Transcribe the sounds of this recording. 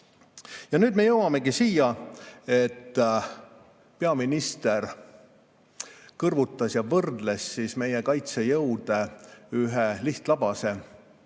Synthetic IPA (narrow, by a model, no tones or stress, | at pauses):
jɑnyːd̪me̞jɤwɑme̞ɡisiːjɑe̞t̪ːˑ | pe̞ɑminist̪e̞r | kɤrvut̪ːˑɑsjɑvɤrd̪le̞sːiːsme̞jekɑjt̪se̞jɤwd̪̥e̞yɦeliht̪lɑb̥ɑse̞